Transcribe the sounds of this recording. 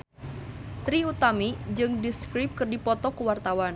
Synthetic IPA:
t̪ɾiut̪amid͡ʒɨŋdiskɾip̚kɨrdipɔt̪ɔkuwart̪awan

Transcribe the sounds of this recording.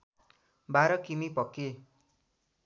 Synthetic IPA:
baɾʌkimipʌkːe

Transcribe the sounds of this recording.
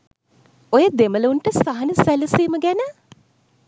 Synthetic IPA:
ojəd̪emələuɳʈəsaɦɐnəsæləsiːməɡænə

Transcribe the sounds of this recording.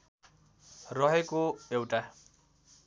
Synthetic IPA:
rʌɦekoewʈa

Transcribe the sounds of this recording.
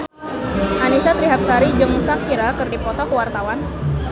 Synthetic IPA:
ʔanisat̪ɾiɦak̚saɾid͡ʒəŋmusakiɾakɨrdipɔt̪ɔkəwart̪awan

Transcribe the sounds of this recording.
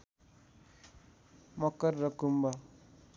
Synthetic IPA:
mʌkʌɾːʌkumba

